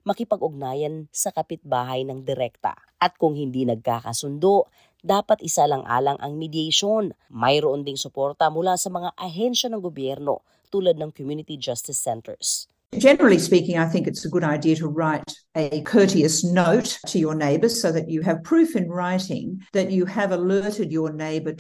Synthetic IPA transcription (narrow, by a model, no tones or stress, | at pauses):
mɐkɪpɐɡʊɡ̚naːjɐnsɐkɐpɪt̪̚baːɦɐjnɐŋd̪ɪɾɛk̚t̪ɐ̰ | ʔɐt̪̚kʊŋhɪnd̪inɐɡ̚kaːkɐ̰sʊnd̪oʔ | d̪aːpɐt̪ʔɪsalɐŋʔa̰ːlɐŋʔɐ̰ŋmɪd̪jajʃon | mɐjɾoʔond̪ɪŋsʊpoɾt̪ɐmʊlasɐmɐŋaʔɐɦɛnʃɐnɐŋɡobjɛɾno̰ | t̪uːlɐd̪̚nɐŋkomjunɪt̪id͡ʒast̪ɪsːɛnt̪ɛ̰ɹs | d͡ʒɛnə˞l̩ˠispikɪ̃ŋaɪθɪ̃ŋkɨtsɨɡʊɾaɪdiɨɾəɹaɪɾ | ɨkʰɜ˞ɾiɨsnoʊttʰɨjə˞neɪbə˞z̥soʊðɨt͡ʃɨːv̥pʰɹ̥ʉfɨ̃nɹaɪɾɪ̰̃ŋðɨt͡ʃɨɨvəlɜ˞ɾɨdjə˞neɪbə˞